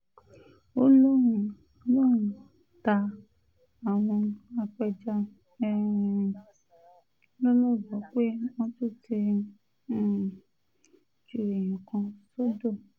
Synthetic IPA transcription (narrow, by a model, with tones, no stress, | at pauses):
o˦lõ˦˨ | lo˦˨ũ˨ | ta˧ | a˨w̃ɔ̃˧a˧k͡pɛ˧d͡ʒa˧˦˨ | lɔ˦lɔ˦˨bɔ˨˦k͡pe˦w̃ɔ̃˦to˦˨te˧˦˨ | d͡ʒu˨ɾe˨j̃ĩ˨kã˧so˦do˦˨